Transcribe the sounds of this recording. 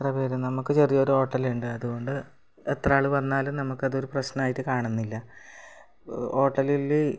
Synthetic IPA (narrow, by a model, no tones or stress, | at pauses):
t̪rɐʋeːɾɐnɐmukːɨt͡ɕerijɐo̞ɾuo̞ːʈːɐluɳɖɨɐðuɣo̞ɳɖɨ | et̪raːɭuʋɐnːaːlumnɐmukːɐðo̞ɾuprɐɕnɐnaːjitːɨkaːɳunːilːɐ | o̞ːʈːɐlilːi